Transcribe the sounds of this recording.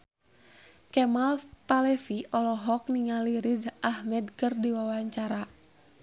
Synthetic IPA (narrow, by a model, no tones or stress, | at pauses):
kɛmalpalɛfiʔɔlɔɦɔk̚niŋaliɾizahmɛdkərdiwawaɲt͡ʃaɾa